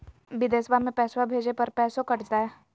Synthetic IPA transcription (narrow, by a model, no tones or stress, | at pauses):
bɪd̪eːsbamẽpɛːswabʱeːd͡ʒepɐɾpɛːsõkɐʈd̪aɛ